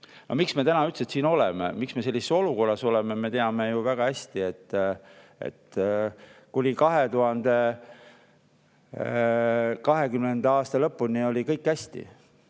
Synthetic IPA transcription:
nʔo̰miksme̞t̪ænɑyt̪set̪siːno̞lemḛmiksme̞se̞lʲːiseso̞luko̞rːɑso̞lememe̞t̪eɑmejuvæɡ̥ɑhæsʲt̪ie̞t̪ːˑ | ḛt̪ | kulʲikɑɦe̞t̪uɦɑnd̪̥e̞ | kɑɦe̞kymnend̪eɑːst̪ɑlɤpːunio̞lʲikɤjkːˑæsʲt̪ḭ

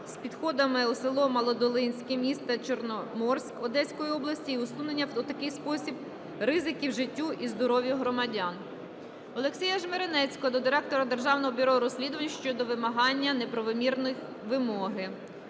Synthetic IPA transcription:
spʲid̪xɔd̪ɐmɪusɪlˠɔmɐlˠɔd̪ɔlˠɪnʲsʲkʲimʲist̪ɐt͡ʃɔrnɔmɔrsʲkɔd̪ɛsʲkɔjiɔblˠɐsʲtʲiiʊsunenʲːɐut̪ɐkɪjspɔsʲib | rɪzɪkʲiwʒɪtʲːuʔizd̪ɔɾɔʋʲjiɦɾɔmɐdʲɑn | ɔlˠeksʲijɐʒmeɾenɛt͡sʲkɔd̪ɔd̪ɪɾɛk̚t̪ɔɾɐd̪erʒɑwnɔɦɔbʲʊɾɔɾɔsʲlʲid̪ʊʋɐnʲʃt͡ʃɔd̪ɔʋɪmɐɦɑnʲːɐnepɾɔʋɔmʲirnɔj | ʋɪmɔɦɪ

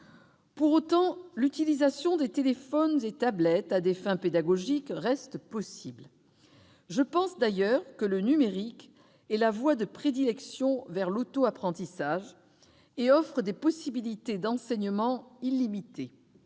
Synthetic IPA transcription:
puʁot̪ɑ̃lyt̪ilizasjɔ̃d̪et̪elefɔnzet̪ablɛt̪ad̪efɛ̃ped̪aɡɔʒikʁɛst̪pɔsibl | ʒəpɑ̃sd̪ajœʁkələnymeʁik | ɛlavwad̪əpχed̪ilɛksjɔ̃vɛʁlot̪oapχɑ̃t̪isaʒ | eɔfχəd̪epɔsibilit̪ed̪ɑ̃sɛɲəmɑ̃ilimit̪e

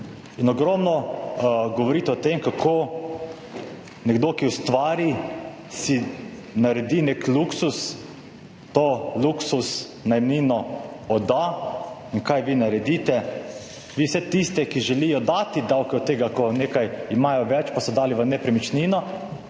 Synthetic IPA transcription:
inɔɡɾɔmnɔ | ɡɔʋɔɾiːt̪ɛɔt̪emkakʰoː | nɛɡd̪okiwst̪ʋaːɾi | si | naɾɛd̪iːnekluksus | t̪oːluksus | najmniːnɔɔd̪ainkajʋiːnaɾɛd̪iːt̪ɛ | ʋiwsɛt̪ist̪ɛkiʒɛlijɔd̪aːt̪id̪awkɛɔt̪ːeːɡakɔneːkajimaːjɔʋɛt͡ʃpasɔd̪aːliʋənɛpɾɛmit͡ʃninɔ

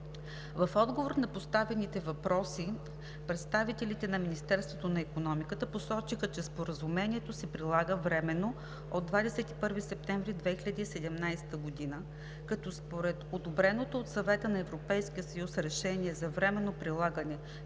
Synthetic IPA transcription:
vɐfɔd̪ɡovoɾnɐpost̪avɛnit̪ɛvɐpɾɔsi | pɾɛt̪st̪avit̪ɛlit̪ɛnɐminist̪ɛɾst̪vot̪onɐikonɔmikət̪əposɔt͡ʃixət͡ʃɛspoɾəzumɛniɛt̪osɛpɾilˠaɡəvɾɛmɛnːo | od̪vad̪ɛsɛt̪i̥pɤɾvisɛp̚t̪ɛɱvɾid̪vɛxiʎʲɐd̪iːsɛd̪ɛmnajst̪əɡod̪inə | kɐt̪ɔspoɾɛt̪od̪obɾɛnot̪oːt̪sɐvɛt̪ənɐɛvɾopɛjsk̟iəsɐjusɾɛʃɛniɛzɐvɾɛmɛnːopɾilˠaɡənɛ

